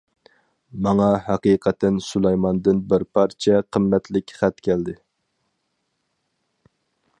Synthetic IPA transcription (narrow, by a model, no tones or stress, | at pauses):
mɑŋɑɦɑqiqʰət̪ɛnsulˠɑjmɑnd̪ɨnbɪɾpʰɑɾt͡ʃʰɛqʰəmːɛt̪ʰlɪkʲχæt̪kʲʰɛld̪ɪ